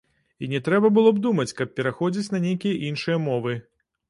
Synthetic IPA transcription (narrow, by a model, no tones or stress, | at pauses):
inʲɛt̪ɾɛbɐbɨlˠɔbd̪umɐt͡sʲkɐp̚ːʲɛɾaxɔd͡zʲit͡sʲnɐnʲejkʲijɐʔinʂɨjɐmɔvɨ